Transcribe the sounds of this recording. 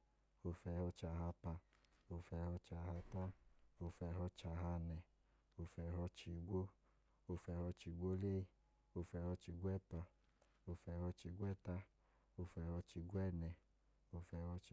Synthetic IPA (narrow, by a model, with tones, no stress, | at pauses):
o˧fɛ˧hɔ˧t͡ʃa˧ɦa˧pa˧ | o˧fɛ˧hɔ˧t͡ʃa˧ɦa˧ta˦o˧fɛ˧ɦɔ˧t͡ʃa˧˨ɦa˧nɛ˧ | o˧fɛ˧ɦɔ˧t͡ʃi˧ɡʷo˦ | o˧fɛ˧hɔ˧t͡ʃi˧ɡʷo˦le˦˧ | o˧fɛ˧hɔ˧t͡ʃi˧ɡʷɛ˦˨pa˧ | o˧fɛ˧hɔ˧t͡ʃi˧ɡʷɛ˦˨ta˦ | o˧fɛ˧hɔ˧t͡ʃi˧ɡʷɛ˦˨nɛ˧ | o˧fɛ˧hɔ˧t͡ʃ